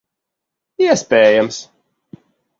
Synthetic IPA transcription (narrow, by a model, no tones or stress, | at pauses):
jɛsbɛːjə̃ms